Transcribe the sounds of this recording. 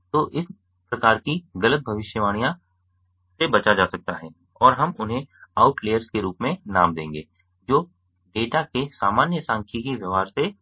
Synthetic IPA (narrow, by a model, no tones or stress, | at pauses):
t̪oːʔɪs | pɾɐkaːɾkiɣɐlət̪̚bʱɐʋɪʃjəʋaːɽ̃ijã | sebɐt͡ʃad͡ʒaːsɐk̚t̪aɦɛː | ɔːɾɦɐmʊnɦẽaːʊʈleːjəɾskeɾuːpmẽnaːmd̪ẽːŋɡeː | d͡ʒoː | ɖeːʈakesaːmaːnjəsãːŋkʰikeʋjəʋaːɾse